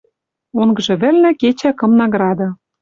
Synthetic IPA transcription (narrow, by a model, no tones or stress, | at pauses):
oŋɡɤ̆ʒɤ̆βɘ̆lnɘ̆ket͡ɕækɤ̆mnɑɡrɑd̪ɤ̆